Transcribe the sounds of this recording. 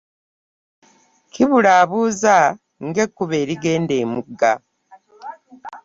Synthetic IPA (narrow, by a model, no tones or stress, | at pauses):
kiβulaːβuːza | ŋɡe̞kːuβe̞ːɾiɡe̞ːnde̞ːmuɡa